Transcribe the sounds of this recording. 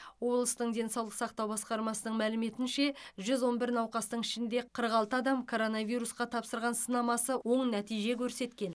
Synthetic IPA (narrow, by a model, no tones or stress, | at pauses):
wo̞blˠəst̪əɴd̪e̞nsɑwlˠəqsɑq̚t̪ɑwbɑsqɑɾmɑsənəɴmælɪme̞t̪ɪnʃe̞ʒʏzwo̞nbɪɾnɑwqɑst̪əɴɪʃɪnd̪e̞qʰəɾəqɑlˠt̪əɑd̪ɑmkʰo̞ɾo̞nɑvijɾusqɑt̪ʰɑpsəɾʁɑnsənɑmɑsəwo̞ɴnæt̪ijʒe̞kʲʰɵɾse̞t̪kʲe̞n